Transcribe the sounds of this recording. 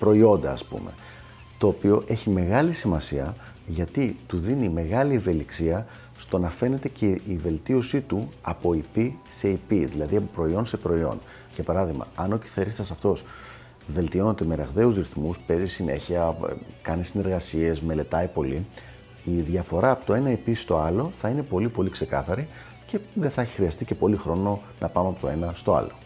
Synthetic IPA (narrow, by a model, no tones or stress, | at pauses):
pɾo̞io̞nd̪ɐːspṵme̞̰ | t̪o̞ːpio̞ʔe̞çime̞ɣɐlisimɐsiɐ | ʝɐt̪it̪uðinime̞ɣɐlie̞ve̞liksiɐ | st̪o̞nɐfe̞ne̞t̪e̞ceive̞lt̪io̞sit̪uɐpo̞ipise̞ipiðilɐðiɐpopɾo̞io̞nse̞pɾo̞io̞̰n | ʝɐpɐɾɐðiɣmɐ̰ɐno̞cifθeɾist̪ɐsɐft̪o̞s | ve̞lt̪io̞not̪eme̞ɾɐɣðe̞uzɾiθmuspe̞zisine̞̰çiɐ̰kɐnisine̞ɾɣɐsie̞zme̞le̞t̪ɐipo̞li | iðʝɐfo̞ɾɐːpo̞t̪oe̞nɐipist̪o̞ɐlo̞θɐine̞po̞lipo̞likse̞kɐθɐɾi | ce̞ðeθɐeçi̥xɾiɐst̪ice̞po̞lixɾo̞no̞ | nʔɐpɐmeɐpo̞t̪oe̞nɐst̪o̞ɐ̰lo̞